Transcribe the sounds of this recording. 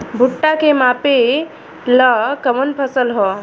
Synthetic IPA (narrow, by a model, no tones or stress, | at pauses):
bʱuʈːakemape | ləkəmənpʰəsəlɦɔ